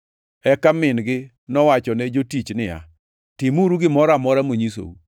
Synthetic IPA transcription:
ɛkamɪnɡɪ | nɔwat͡ʃɔnɛd͡ʒotit͡ʃnɪja̰ | tɪmuɾuɡɪmɔɾamɔɾamoɲis̬o̰u

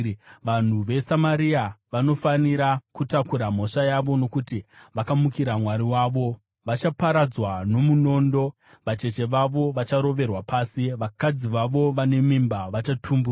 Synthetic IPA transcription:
ʋan̤uʋe̞samaɾiaʋano̞faniɾakutakuɾam̤o̞ʂajaʋo̞no̞kutiʋakamukiɾamwaɾiwaːʋo̞ | ʋat͡ʃapaɾad͡zwano̞muno̞ːndo̞ | ʋat͡ʃe̞t͡ʃe̞ʋaʋo̞ʋat͡ʃaɾo̞ʋe̞rwapaːsiʋakad͡ziʋaʋo̞ʋane̞mimbaʋat͡ʃatʰumbur

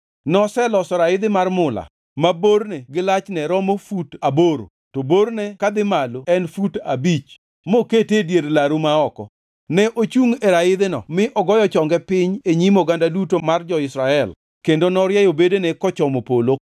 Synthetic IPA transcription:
nɔsɛlɔsɔɾaɪd̪ɪmarmʊla̰ | mabornɛɡɪlat͡ʃnɛɾɔmofutaboɾo̰ | toboɾnɛkad̪ɪmaloɛnfutabit͡ʃ | moketedjeɾlaɾumaɔkɔ | nɛʔot͡ʃuŋeɾaɪd̪ɪnɔ̰mɪʔɔɡɔjɔt͡ʃɔŋɡɛpɪɲeɲimoɡandadutomard͡ʒɔɪsɾaɛl | kendonɔɾjɛjobedenɛkɔt͡ʃɔmopolo

